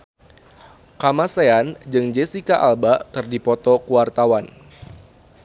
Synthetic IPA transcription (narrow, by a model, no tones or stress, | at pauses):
kamaseand͡ʒɨŋd͡ʒesikaʔalbakɨrdipɔt̪ɔkuwart̪awan